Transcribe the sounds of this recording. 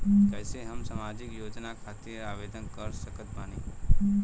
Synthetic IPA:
kəjseɦəmsamad͡ʒikjod͡ʒnakʰat̪iaʋed̪ənkəɾsəkət̪mani

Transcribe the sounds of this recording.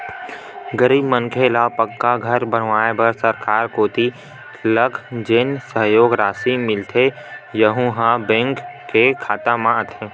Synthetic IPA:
ɡəɾiːbmənkʰelapəkːaɡʱɐɾbəɽ̤ʋaːebəɾsəɾkaːɾkoːt̪i | ləkʰd͡ʒensəɦjoːɡɾaːsimɪlt̪ʰe | jəɦũɦãbɛ̃ŋkːekʰaːt̪amãət̪ʰeː

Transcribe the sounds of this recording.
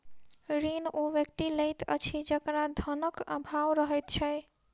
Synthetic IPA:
ɾinoʋjəkt̪iləjt̪ə̰t͡ʃʰid͡ʒəkɾad̪ʱənəkə̰bʱawɾəɦəjt̪̚t͡ʃʰɛ

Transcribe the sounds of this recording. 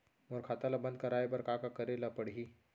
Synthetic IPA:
moɾkʰat̪alabənd̪̚kəɾajbəɾkakakəɾelapəɽɦiː

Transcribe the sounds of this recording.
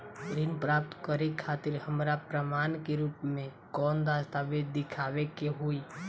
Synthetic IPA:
ɾɪnpɾaːp̚t̪kəɾekʰːaːt̪ɪɾhəmɾapɾəmaːnkeɾuːpmẽ | kɔːnd̪aːst̪abed̪d̪ɪkʰaːʋekeɦoːi

